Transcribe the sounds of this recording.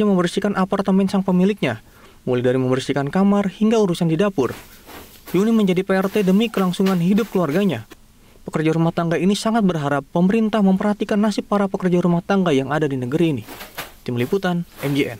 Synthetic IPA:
ɲaməmbərsikanʔapart̪əmbɛnsaŋpəmilɪk̚ɲa | muladaɾiməmbərsikankamarhiŋɡauɾusandidapʊr | juniməɲd͡ʒadipeɛrt̪edəmikəlaŋsuŋanɦidʊp̚kəluarɡaɲa | ppəkərd͡ʒaɾumaht̪aŋɡainisaŋat̪̚bərɦaɾapːəməɾint̪ahməmpərhat̪ikanːasɪpːaɾapəkərd͡ʒaɾumaht̪aŋɡajaŋadadinəɡəɾiːnit̪ɪmliput̪anʔɛmd͡ʒiɛ̰n

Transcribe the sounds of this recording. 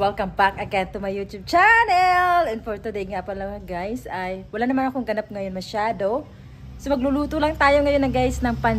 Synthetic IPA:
wɛlkɐmbakɐkɛnt̪ʊmɐjut̪jub̚t͡ʃanɛlɛnfɔɹt̪ud̪ɛjŋapɐlɐŋɐɡajsɐjwɐlanɐmanɐkoŋɡɐnap̚ŋɐjonmɐʃaːd̪o̞ | somɐɡ̚luluːt̪olɐŋt̪aːjoŋɐjonɐŋɡajsnɐŋpɐn

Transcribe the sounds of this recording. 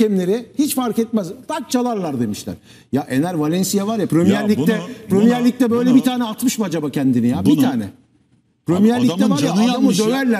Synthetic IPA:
ɛmlʲe̞ɾɪhit͡ʃfaɾkɛt̪̚mæzt̪ak̚t͡ʃʰalˠaɾlˠaɾd̪e̞miʃlʲæ̰ɾ̥ | jaʔenæɾvalʲɛnsijavaɾjapʰɾømijæɾlʲːiɛpɾømijæɾlʲic̚t̪ɛbø̞jlʲɛbit̪ʰaːnɛat̪mɯʃmad͡ʒabacʰænd̪inijabiaːnɛ̰ | pɾømijæɾlːʲit̪ɛbaɾaaamɯd̪ølæɾlʲæ

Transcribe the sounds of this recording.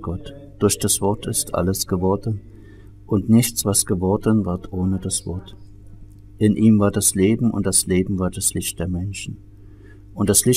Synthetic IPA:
ɡ̥ɔt | d̥ʊɐçd̥asv̥ɔɐtɪstʔa̰ləsɡ̥əvɔɐdən | ʔʊntnɪçt͡sv̥asɡ̥əvɔɐdənvaɐtʔoːnədasv̥ɔ̰ɐt | ʔɪnʔiːmvaːɐdasleːbm̩ʊ̰nt̚d̥asleːbm̩vaːɐd̥aslɪçt̚d̥eːɐmɛnʃn̩ | ʔʊntd̥aslɪ

